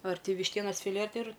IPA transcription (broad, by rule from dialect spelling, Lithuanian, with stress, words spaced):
ɐr tʲɪ ʋʲɪʃʲˈtʲiɛnɐs fʲɪˈlʲeː ɐr ˈtʲɪ ɪr